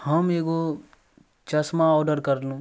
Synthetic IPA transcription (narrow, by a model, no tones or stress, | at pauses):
həmeːɡo | t͡ʃɐsmãɔːɖəɾkəɾlũː